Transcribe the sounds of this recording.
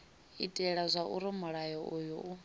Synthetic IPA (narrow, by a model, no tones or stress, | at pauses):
ḭtʼɛɺazʷaʔuɾimuɺajɔʔujuʔu